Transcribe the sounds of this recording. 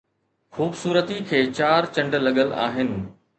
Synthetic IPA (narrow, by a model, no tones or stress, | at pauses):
xuːbsuːɾət̪ikʰeːt͡ɕaːɾt͡ɕɐ̃ɳɖlɐɠəla̰ːɦɪnɪ̆